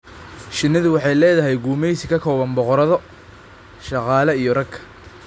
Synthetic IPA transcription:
ʃɪnːɐðʊwɑħɑjlɛːðɐɦɛjɡuːmɛjsɪkʰɐkʰɔːβɐnbɔqɔɾɐðɔ | ʃɑqɑːlɐijɔrɐkʰːɐ̥

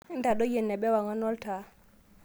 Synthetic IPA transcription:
ndaɗɔjenːɛɓɛwaŋɔnɔlta

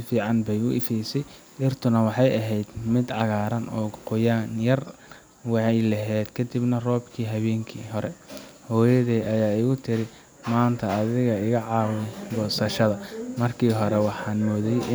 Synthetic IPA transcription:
fiːʕɑnbɛjʊʔɪfɛjsɛj | ʔɪrt̪ʰʊnɐwɑħɑjʔɐɦɛjd̪mɪd̪ʕɑɣaːɾɐnɔːqʊjaːnjɐr | wɑħɑjlɐɦɛːd̪kʰɐd̪ibnɐrɔːbkʰiːɦɐβɛːŋkʰḭːɦɔɾɛhɔːjɐðɛːɐjaːɪɣʊt̪ʰɪɾɪ | maːnt̪ʰɐːðɪɣɐɪɣɐʕɑːwɛɡɔːsɐʃɐðɐmɐrkʰiːɦɔɾɛwɑħɑːnmɔːðɛjʔɪ

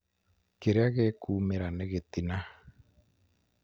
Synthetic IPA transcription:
keɾeaɣekuːmeɾaneɣet̪ina

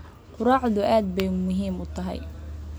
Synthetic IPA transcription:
qʊɾɑːʕd̪ʊʔaːd̪̚bɛjmʊɦiːmʊt̪ʰɐɦɛ̰j

